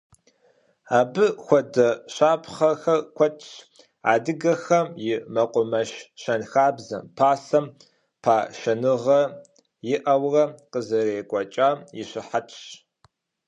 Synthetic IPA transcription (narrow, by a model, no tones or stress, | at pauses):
aːbɨxʷɔdɐɕaːpʰχɐxɐrkʷʰɔtʰʼɕ | a̰ːdɨɡɐxɐmjɪmɐqʷʼʊmɐʃʃɐnxaːbzɐmpʰaːsɐm | pʰaːʃɐnɨʁɐ | jɪʔɐwrɐqəzɐreːkʷʼɔt͡ʃʼaːjɪɕɪħatʰʼɕ